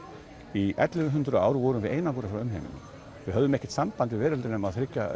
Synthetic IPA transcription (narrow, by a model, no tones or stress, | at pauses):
iʔɛ̰t̪lɪvʏɦʏnt̪ɾʏa̰ːwɾʏvɔːɾʏmvɪðeːjnakuːɾafɾawʏmɦḛːmɪ̰n | vɪhœðʏmɛhcːɪ̥t̪sampant̪ɪvɛːɾɪlt̪ɪnʏmaðθɾɪcːa̰